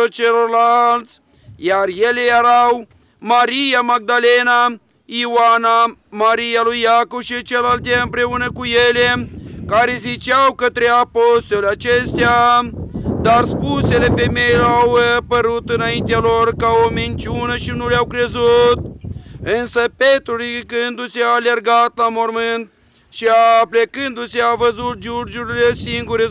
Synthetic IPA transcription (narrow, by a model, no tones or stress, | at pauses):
ot͡ʃeloɾlalt̪t͡s | jaɾjelejeɾaw | maɾijamaɡ̚d̪alena | iwanamaɾijalujːakobʃit͡ʃelalt̪eɨmpɾeunəkujelekaɾezit͡ʃawkət̪ɾeapost̪oleat͡ʃest̪ja | d̪aɾspuselefemeilawpəɾut̪ɨnaint̪ealorkaomint͡ʃunəʃinuleawkɾezut̪̚ɨnsəpet̪ɾulikɨnd̪useaːlerɡat̪lamoɾmɨnt̪̚ | ʃiaplekɨnd̪useavəzut̪̚ʒuɾd͡ʒuɾilesiŋɡuɾe